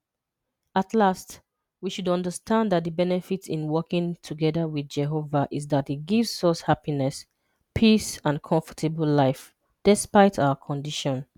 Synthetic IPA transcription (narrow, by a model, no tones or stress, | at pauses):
atʰlast | wiʃudɔ̃ndəstʰãnddðat̚dəbɛnɛfitĩnwɔkɪ̃ŋtʰuɡɛðəwiðd͡ʒeɦovaʔiz̬ðatit̚ɡivzɔshapinɛs | pʰisãnkʰɔ̃ɱfətʰebl̩laɪf | d̥ɛspaɪtʰaʊəkʰɔ̃ndiʃɔ̃n